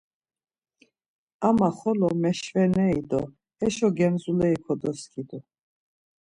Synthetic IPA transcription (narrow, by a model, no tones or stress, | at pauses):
amaχɔlɔmɛʃvɛnɛid̪ɔ | hɛʃɔɡɛmzulɛikʰɔd̪ɔskʰid̪u